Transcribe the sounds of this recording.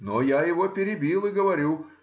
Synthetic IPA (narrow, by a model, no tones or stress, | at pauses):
nojajɪvopʲɪɾʲɪbʲilˠɪɡəvɐɾʲu